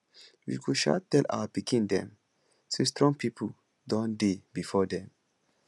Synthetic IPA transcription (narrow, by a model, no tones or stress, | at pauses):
wḭkuʃa̰tːɛlʔa̰wabikʰĩndɛ̰̃m | sistɹɔ̃ŋpʰipʰu | dɔ̃ndebifɔdɛ̃m